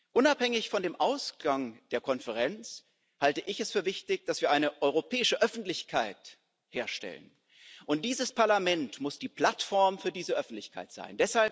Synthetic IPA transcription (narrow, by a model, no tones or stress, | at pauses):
ʔʊnaphɛŋɪçfɔndeːmʔaʊsɡ̥aŋd̥eːɐkʰɔnfəʁ̞ɛnt͡s | haltəʔɪçɛsfyːɐvɪçtɪçd̥asv̥iːɐʔaɪnəʔɔʏʁ̞opʰɛːɪʃəʔœfn̩tlɪçkʰaɪt | heːɐʃtɛ̰lə̰n | ʔʊnt̚d̥iːzəspʰaɐlamɛntmʊsd̥iːpl̥atfɔɐmfyːɐdiːzəʔœfn̩tlɪçkʰa̰ɪtz̥a̰ɪndɛshalp